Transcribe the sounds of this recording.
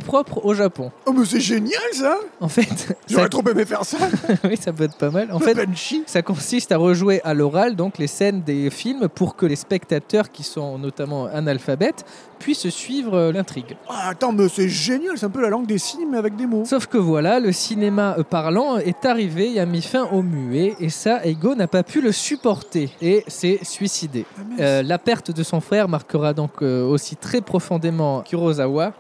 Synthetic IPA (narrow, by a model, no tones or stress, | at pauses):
pχɔpχoʒapɔ̃amɛsɛʒenjalsaɑ̃fɛt̪ʒsaɛt̪χopemefɛʁsawisapøɛt̪χpamalɑ̃fɛt̪pɛnʃisakɔ̃sist̪aʁəʒweʔalɔʁald̪ɔ̃klesɛnd̪efilmpuʁkəlespɛkt̪at̪œʁkʲisɔ̃nɔt̪amɑ̃analfabɛt̪ | pɥissɥivʁølɛ̃t̪χiɡaːt̪ɑ̃mɛsɛʒenjalsɛɛ̃pølalɑ̃ŋɡd̪esimeavɛk̚d̪emosɔfkəvwalaləsinemapaʁlɑ̃ɛt̪aʁiveeamifɛ̃ʔomyeːsaɛɡonapapʰyləsypɔʁt̪eːsɛsɥisid̪emølapɛʁt̪d̪əsɔ̃fχɛʁmaʁkəʁad̪ɔ̃køosit̪χɛpχɔfɔ̃d̪emɑ̃kʲyʁozawa